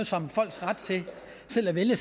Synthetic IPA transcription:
ð̩ˠsɒ̽mfɒ̽l̰ɡ̥sʁad̥t͡sʰe̝ | sel̰æʋeljəs

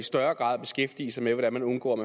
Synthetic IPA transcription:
isd̥ɶɐɡ̥ʁɑ̰̈ːðˠb̥e̝sɡ̥efd̥ḭːəsɑ̈ɪmeʋɒɾænmænɔ̽nɡ̥ɔ̰ːmæ

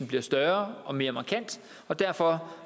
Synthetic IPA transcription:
n̩b̥liɐsd̥ɶɐʔɒ̽me̝ːɐmɑ̈kʰæn̰d̥ | ɒ̽d̥æɐ̰fɒ̽

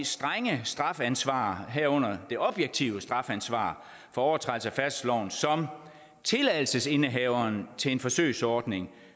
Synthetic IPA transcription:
sd̥ʁaŋəsd̥ʁɑ̈fænsʋɑ̰̈ːɦæɐɔ̽n̰ɐd̥e̝ʔɒ̽b̥jeɡ̥̚t͡sʰiʊəsd̥ʁɑ̈fænsʋɑ̰̈ː | fɒ̽ɒʊɐt͡sʰʁɑlsəæfæsd̥lɒʊ̰n̩sɒ̽m | t͡sʰe̝læðˠl̩səse̝nəɦɛʊɐnt͡sʰe̝le̝nfɒ̽sø̰ɪsɒːd̥ne̝ŋ

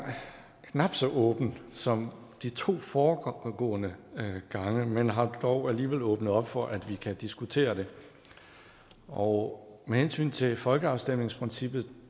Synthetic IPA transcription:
kʰnɑ̈b̥sɒ̽ʔɔ̽ːb̥n̩sɒ̽m | d̥it͡sʰo̝̰ːfɒːɡ̥ɔ̰̽ːnəɡ̥ɑ̈ŋəmenɦɑ̈d̥ɒʊæliːʋel̰ɔːb̥nəð̩ˠɒ̽b̥fɒ̽ʔæd̥ʋikʰæd̥isɡ̥ut͡sʰe̝̰ːɐd̥e̝ | ɒʊmehensy̰ːnt͡sʰe̝fɒ̽lɡ̥əɑ̈ʊsd̥em̰ne̝ŋspʰʁensib̥ð̞̩ˠ

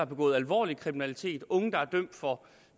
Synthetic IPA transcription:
ɑ̈b̥e̝ɡɔ̰̽ːð̩ˠælʋɒ̰ːlikʰʁiminælit͡sʰe̝̰ːd̥ɔ̽ŋəd̥ɑ̈æɐd̥œm̰d̥fɒ̽

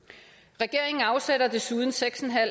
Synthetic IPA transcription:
ʁɛɡ̥e̝ɐ̰eŋn̩ɑ̈ʊseɾɐd̥e̝suð̞ˠn̩seɡ̥sɒn̩ɦæl̰

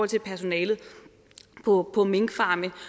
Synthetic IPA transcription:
ɒ̽l̰t͡sʰe̝pʰæɐso̝nɛːlð̞̩ˠ | pʰɒ̽pʰɒ̽me̝ŋɡ̥fɑ̈ːmə

